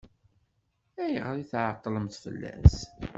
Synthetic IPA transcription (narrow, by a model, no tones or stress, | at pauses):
æjəʁɾˤiθʕət̪ˤːləmθfə̰lːæ̰s